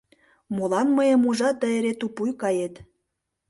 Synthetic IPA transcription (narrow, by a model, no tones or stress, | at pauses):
molɑnməjə̆muʒɑt̪̚ːəeɾet̪upujkɑjet̪